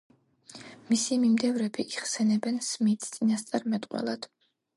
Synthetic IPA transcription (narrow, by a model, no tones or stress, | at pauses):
misimimd̪ɛvɾɛbiʔiʁsɛnɛbɛnsmit̪ʰt̪sʼinast̪sʼaɾmɛt̪ʼqʼwɛ̰lˠad̪̥